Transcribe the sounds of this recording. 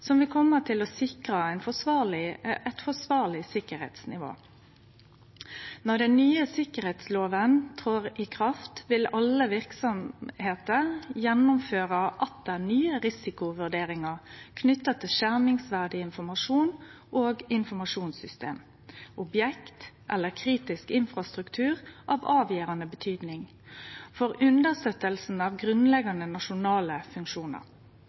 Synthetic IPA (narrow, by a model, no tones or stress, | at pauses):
sɔmʋɪkʰɔmːət̪ʰɪlɔsɪkɾɑæɪnfɔsʋɑːʁlɪɛt̪fɔsʋɑːʁlɪsɪkːəɾhḛːt̪snɪ̰ʋo̰ː | nɔʁd̪ɛnnyːəsɪkəɾheːt̪sloːʋənt̪ʰʁoːɾɪkʰʁɑft̪ʋɪlɑlːəʋɪʁksɔmheːt̪əʁjɛnːʊmføːʁəʔɑt̪̚d̪ænyːəɾɪsɪkʊʋʉɖeːɾɪŋɑʁkʰnʏt̪ːɑt̪ʰɪʃæʁmɪŋsʋæʁd̪ɪɪnfɔmɑʂuːn | ʔoːɡɪnfɔmɑʂuːnsʏst̪ḛːm | ʔɔbjɛkt̪ʔɛlːəkʰɾiːt̪ɪskɪnfʁɑst̪ʁʉkt̪ʰʉːʁʔɑ̰ːʋɑːʋjiːʁɑnəbət̪ʰyːd̪nɪŋ | fɔʁʉnd̪əst̪øt̪əlsn̩ɑʋɡʁʉnlɛɡɑnənɑʃʊnɑːləfʉŋkʃuːnə̰ʁ